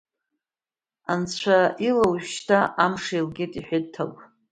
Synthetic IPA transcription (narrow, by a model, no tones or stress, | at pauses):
ant͡sʷʰailawʃtʰaʔamʂailɡʲetʼiħʷᶣɪd̚tʰa̰lpʼ